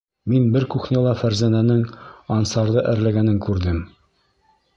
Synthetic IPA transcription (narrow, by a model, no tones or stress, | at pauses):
minbɘɾkuχnʲælˠɑfæɾzænænɘŋɒnsɑɾd̪ɤʔæɾlæɡænɘŋkʉɾd̪ɘm